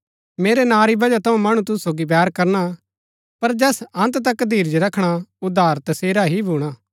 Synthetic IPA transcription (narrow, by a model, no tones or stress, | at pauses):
meːɾenaːɾibɐd͡ʒat̪ʰɐũmɐɽ̃ũt̪ʊssoːɡibjɛːɾkɐɾna | pɐɾd͡ʒɛːsɐ̃nt̪t̪ɐkd̪ʱiːɾd͡ʒoɾɐkʰɽ̃aʊd̪ʱːaːɾt̪ɐseːɾaɦibʱuːɽ̃aː